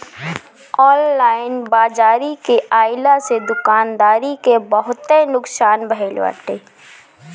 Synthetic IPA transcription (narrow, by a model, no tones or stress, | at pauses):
ɔːnlaːɪnbaːd͡ʒaːɾikeʔaːɪlased̪ʊkaːnd̪aːɾikebəɦʊt̪enʊksaːnbəɛːlʋa̰ʈeː